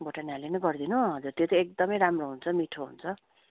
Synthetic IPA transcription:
boʈanalenʌɡʌrd̪inõɦʌd͡zurt̪jot̪ʌek̚d̪ʌmʌjɾamroɦunt͡sʰʌmiʈʰoɦṵnt͡sʰʌ

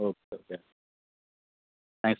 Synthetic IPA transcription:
oʊkeokʰe | θæ̃ŋks

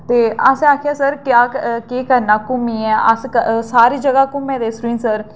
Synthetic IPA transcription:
t̪eːəsaːkʰejaːsəɾkjaːkeːkəɾnaːkʊmĩːɛːə̰səsaːɾiːd͡ʒəɡaːkʊmẽːd̪eːsɾĩːnsəɾ

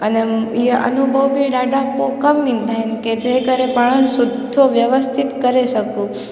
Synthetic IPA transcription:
əneiə̰nubʱəʋbiɖaɖãpokəmʋĩnd̪ʱaɦɪnked͡ʒekəɾepəɳ̃ənsʊd̪ʱoʋjəʋəst̪ʰɪt̪kəɾeʃəkũ

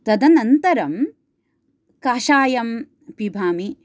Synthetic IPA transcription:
t̪ɐd̪ɐnɐnt̪ɐɾɐm | kaːʃaːjɐm | pibʱaːmi

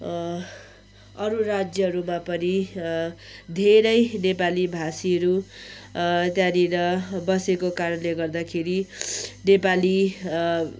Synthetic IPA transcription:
ʌɾurad͡zjʌɦʌɾumapʌni | d̪ʱeɾʌjnepalibʱasiʌɾu | t̪janinʌbʌsekokaɾʌnleɡʌrd̪akʰeɾinepali

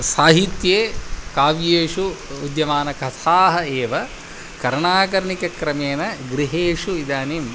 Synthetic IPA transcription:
saːɦit̪jeːkaːʋjeːʂuːd̪jɐʋaːnɐkʰɐt̪ʰaːɦɐeːʋɐ | kɐɾɳaːk̬ɐɾɐɳikɐkɾɐmeːnɐɡɾiɦeːʂuid̪aːnim

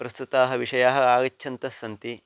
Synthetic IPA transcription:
pɾɐst̪ut̪aːɦɐ̆ʋiʂɐjaːɦɐ̆aːɡɐt͡ʃːʃʰɐnt̪ɐsːɐnt̪i

